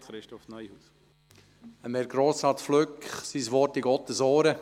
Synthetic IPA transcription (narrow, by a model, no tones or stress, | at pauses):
ɾɪʃtɔfnœjhu | əmɛɾɡɾoːsɑtfløkχsisʋɔɾtɪɡɔt̪əsɔːɾə